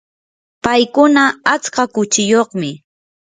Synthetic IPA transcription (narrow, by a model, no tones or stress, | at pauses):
pajkʊnaat͡skakʊt͡ʃɪjoχmɪ